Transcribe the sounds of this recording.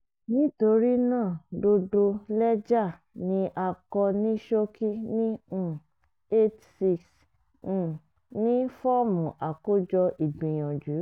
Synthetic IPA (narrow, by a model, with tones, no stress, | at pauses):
nĩ˦to˧ɾi˦nãː˦˨do˧do˧lɛ˦d͡ʒa˦˨ | nĩ˧˦ʔa˧kɔ˧nĩ˦ʃo˦ki˦nĩ˦ | e˦t | si˧ks̩˨ | nĩ˦fɔ˦mũ˨ʔa˨ko˦d͡ʒɔ˧ʔi˨ɡ͡bĩ˨j̃ɔ̃˨d͡ʒu˨˦